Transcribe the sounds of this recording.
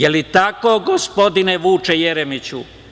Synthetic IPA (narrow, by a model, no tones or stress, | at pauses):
jelit̪ako̞ɡospo̞d̪ineʋuːt͡ʃejeɾemit͡ɕṵ